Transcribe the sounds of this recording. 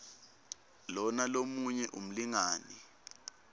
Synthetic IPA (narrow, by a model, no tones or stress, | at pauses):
lɔnalomuɲɛʔum̩liŋaːni